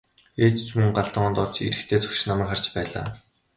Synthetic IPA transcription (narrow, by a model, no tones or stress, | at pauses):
eːt̪t͡ɕmɵŋɢaɮt̪ə̆ɴɔːnt̪ɔrt͡ɕḭɾɘ̆xt̪ʰeːt͡sɵ̥kʃ̆namæ̆ːkχar̥t͡ɕpæːɮa̰ː